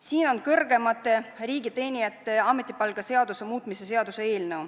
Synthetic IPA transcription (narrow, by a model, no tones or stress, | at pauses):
siːno̞nkɤrɡ̥e̞mɑt̪ːˑe̞riːɡit̪e̞ːnʲijɑt̪ːˑe̞ɑme̞t̪ːˑipɑlɡ̥ɑse̞ɑd̪̥use̞muːt̪ˑmise̞se̞ɑd̪̥use̞e̞ːlnew